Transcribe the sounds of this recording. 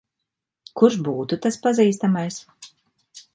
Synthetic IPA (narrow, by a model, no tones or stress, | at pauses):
kuɾʃbuːt̪ut̪aspaziːst̪amajs